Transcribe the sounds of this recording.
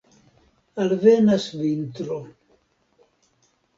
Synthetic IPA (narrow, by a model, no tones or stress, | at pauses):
alβenasβint̪ɾo